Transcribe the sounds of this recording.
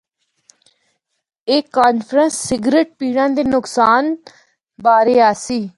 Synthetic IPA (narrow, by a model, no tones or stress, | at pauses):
eːkaːnfʰɾənsːɪɡɾeːʈ̚piːɽãːd̪eːnʊksaːn | baːɾeːaːsiː